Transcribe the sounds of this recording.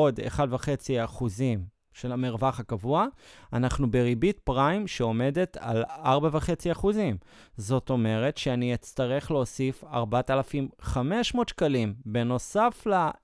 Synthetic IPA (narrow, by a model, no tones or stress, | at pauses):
odḛχadvaχe̞t͡siaχuzim | ʃe̞lamiʁvaχhakavuaanaχnubeʁibitpʁajmʃeo̞me̞de̞ta̰laʁbavaχe̞t͡siaχuzim | zo̞to̞me̞ʁe̞tʃeanijet͡staʁe̞χleosifa̰ʁbatalafimχame̞ʃmo̞ːtʃkalimbe̞no̞safla